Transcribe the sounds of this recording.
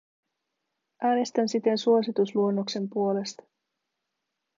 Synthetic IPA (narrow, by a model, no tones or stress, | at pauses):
ʔæːne̞st̪ænsit̪e̞nsuo̞sit̪usluo̞nːo̞kse̞mpuo̞le̞st̪ɑ̥